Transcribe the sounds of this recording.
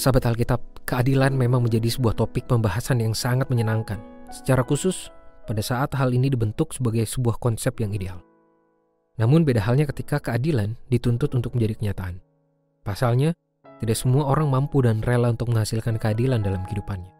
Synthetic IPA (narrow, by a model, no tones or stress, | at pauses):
sabat̪halk̬it̪ap̚kəadilanmemaŋməɲd͡ʒadisəbuaht̪opɪk̚pəmbaɦasanjaŋsaŋat̪̚məɲənaŋkansə̥t͡ʃaɾakusʊspadasaːt̪ɦalinidibənt̪ʊksəbaɡajsəbuahkɔnsɛp̚jaŋideal | namʊnbedaɦalɲakət̪ikakəadilandit̪unt̪ʊt̪unt̪ʊk̚əɲd͡ʒadikəɲat̪aʔan | pasalɲa | t̪idak̚səmuaoɾaŋmampudanrelaunt̪ʊk̚məŋɦhasɪlkankəadilandalamkidupanɲa